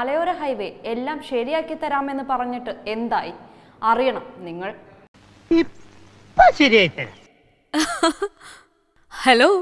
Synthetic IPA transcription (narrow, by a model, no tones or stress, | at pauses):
ɐlɐjoːɾeɦɐjʋeelːaːmɕɐɾijaːkːit̪ːɐɾaːme̞nːɨpɐrɐɲːiʈːɨe̞nd̪aːji | ɐrijɐɳɐmniŋːɐɭ | i | pːɐɕɐɾijaːjit̪ːɐɾa | heloː